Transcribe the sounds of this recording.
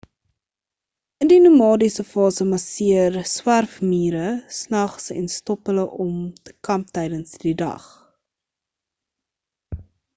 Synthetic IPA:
əndinumɑːdisəfɑːsəmɐsiərswærfmiːɾəsnɐχsɛ̰nstɔpələʔɔmtə̥kɐmp̚tɛjdənsd̥idɐ̰χ

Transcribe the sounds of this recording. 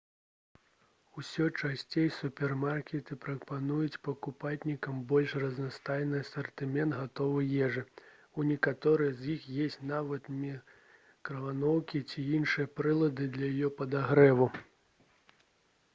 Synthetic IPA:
usʲɔt͡ʂasʲt͡sʲejsupʲɛrmarkʲɛt̪ɨpɾɐpanujut͡sʲpɐkupatʲnʲikɐmbɔlʲʂrɐznast̪ajnɨɐsɐrt̪ɨmʲɛnd̪ɣat̪ɔvɨjɛʐɨ | unʲɛkat̪ɔɾɨjɐzjixjesʲt͡sʲnavɐt̪mʲi | kɾɐvanɔwkʲit͡sʲiinʂɨjɐpɾɨlˠɐd̪ɨd̪lʲɐjajɔpɐd̪aɣɾɛvu

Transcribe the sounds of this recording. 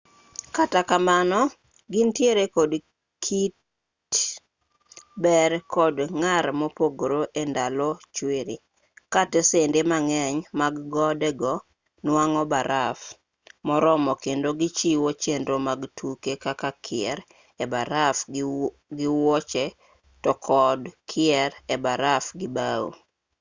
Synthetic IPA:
katakamanɔ | ɡɪntjeɾekɔd | kʰit | bɛrkɔdŋaɾmɔpoɡɾoʔendalot͡ʃweɾi | katesendemaŋɛɲmaɡːɔdɛɡɔ | nwaŋɔbaɾaf | mɔɾɔmɔkendoɡɪt͡ʃiwot͡ʃenɾomaɡtʰukekakakʰɪɛɾ | ɛbaɾaf | ɡɪwɔt͡ʃɛ | tɔkʰɔdkʰɪɛɾɛbaɾafɡɪbao̰

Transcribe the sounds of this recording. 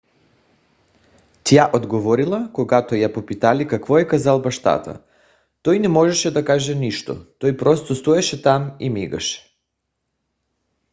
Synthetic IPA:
t̪jaʔod̪ɡovɔɾilˠakoɡat̪ojapopit̪alikakvɔɛkazalˠbaʃt̪a̰t̪a̰ | t̪ɔjnɛmɔʒɛʃɛd̪akaʒɛniʃt̪o̰t̪ojpɾɔst̪ost̪ɔɛʃɛt̪amimiɡa̰ʃɛ̥

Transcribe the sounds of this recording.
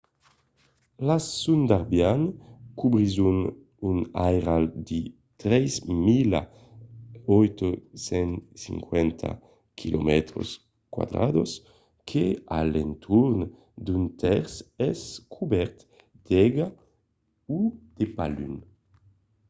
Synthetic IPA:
lasund̪aʁbjankubʁizun | unajʁald̪i | t̪ɾɛjzmila | ɔjt̪osɛnsḭŋkwɛnt̪ʰa̰ | kʰilomɛt̪ɾo̰s | kwa̰d̪ʁa̰d̪os | kʰea̰lɛ̰nt̪ʰuɾn | d̪ynt̪ʰɛʁsɛskʰubɛɾt̪ | d̪̥ɛɡa | ud̪̥epaly̰n

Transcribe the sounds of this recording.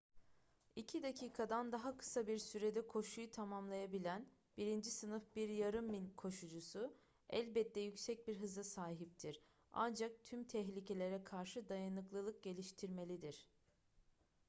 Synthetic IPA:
icʰid̪acʰiːkʰad̪and̪aɦakʰɯ̥sabiɾsyɾe̞d̪ɛkʰo̞ʃujut̪ʰamamlˠajabilʲæn | b̥iɾind͡ʒisɯnɯfbiɾjaɾɯmːinʲkʰo̞ʃud͡ʒusʊ | æ̰lʲbɛt̪ʰːɛjycsɛc̚biɾɦɯzˠɯsaːɦip̚t̪ʰiɾ | a̰nd͡ʒak̚t̪ʰymt̪ʰɛɦlʲicʰe̞lʲe̞ɾɛkʰaɾʃɯd̪ajanɯklˠɯlˠɯk̚ɟe̞lʲiʃt̪ʰiɾme̞lʲid̪iɾ̥

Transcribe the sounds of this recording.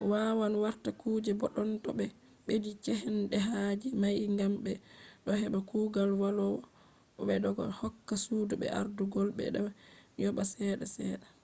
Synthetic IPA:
wawanwaɾtakuːd͡ʒɛbɔɗɔntɔɓɛ | ɓedit͡ʃɛhɛnɗɛɦad͡ʒimajŋɡambɛɗɔhɛɓakuːɡalwalɔwɔ | ɓɛɗɔɡɔ̰hɔkːasuduɓɛ̰a̰ɾduɡɔlɓɛ̰ɗajɔɓasɛːɗasɛːɗa

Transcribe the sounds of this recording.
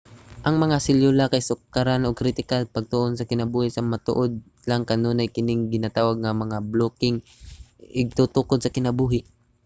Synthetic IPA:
ʔɐŋmɐŋasɪljolakɐjsʊkːaɾanoɡ̚kɾɪt̪ɪkalpɐɡ̚t̪ʊʔonsɐkɪnɐbuːhɪsɐmɐt̪ʊ̰ʔod̪̚ | laŋkɐnoːnɐjkɪnɪŋɡɪnat̪aːwɐɡ̚ŋɐmɐŋabloːkɪŋ | ʔɪɡ̚t̪ut̪ʊkod̪̚sɐkɪnɐbuːɦɪʔ

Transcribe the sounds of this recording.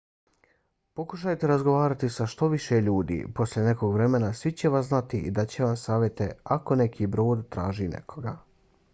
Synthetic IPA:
po̞kuʃajt̪eɾazɡoʋaːɾat̪isaʃt̪o̞ʋiʃeʎuːd̪ḭːpo̞slʎʲene̞ko̞ɡʋɾe̞me̞nasʋit͡ɕe̞ʋasnat̪iid̪at͡ɕeʋamsaːʋʲjet̪e̞ako̞ne̞kʰiːbɾo̞ːd̪t̪ɾaːʒiːnʔḛkʰo̞ɡa

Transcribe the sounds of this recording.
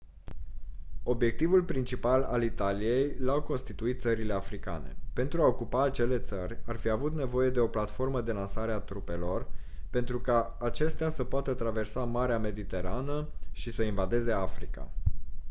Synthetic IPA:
o̞bje̞k̚t̪ivulpɾint͡ʃipala̰lit̪alije̞jlawko̞nst̪it̪uit̪̚t̪səɾile̞afɾika̰ne̞̰pe̞nt̪ɾuao̞kupaːt͡ʃe̞le̞t̪sərʲarfiavut̪ne̞vo̞je̞d̪e̞o̞plat̪fo̞rməd̪e̞lansaɾeat̪ɾupe̞lo̞rpe̞nt̪ɾukaː | t͡ʃe̞st̪easəpoat̪ət̪ɾave̞rsamaɾeame̞d̪it̪e̞ɾanəʃisəinvad̪e̞ze̞afɾika̰

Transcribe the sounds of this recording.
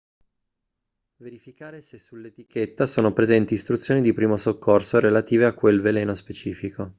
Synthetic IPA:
veɾifikaːɾesesulːet̪iket̪ːasoːnopɾezɛnt̪iːst̪ɾut̪sːjoːnid̪ipɾiːmosokːorsoɾelat̪iːveakːwelveleːnospet͡ʃiːfikʰo

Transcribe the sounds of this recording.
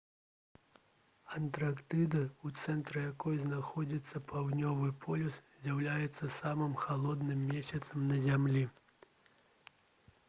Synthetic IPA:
ɐnt̪ɾakt̪ɨd̪ɐut̪sɛnt̪ɾɐjakɔjznaxɔd͡zʲit̪sːɐpʰawnʲɔvɨpʰɔlʲuszʲjawlʲajɛt̪sːɐsamɨmxalˠɔd̪nɨmːʲesʲɐt̪sɐmnɐzʲamlʲi

